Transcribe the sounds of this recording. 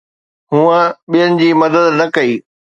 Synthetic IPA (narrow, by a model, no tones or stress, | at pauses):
ɦũə̃ɓijənɪ̆d͡ʑiːmɐd̪əd̪nɐkɐiː